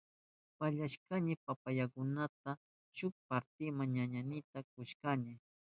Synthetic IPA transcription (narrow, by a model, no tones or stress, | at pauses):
paʎaʃkaɲɪpapajakʊnat̪̚a | ʃʊk̚paɾt̪ɪmaŋɲaɲanɪt̪ak̚ʊʃkaɲɪ